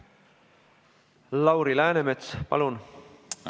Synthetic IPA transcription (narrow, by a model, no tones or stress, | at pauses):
lɑwɾilæːnemet̪spɑ̰lun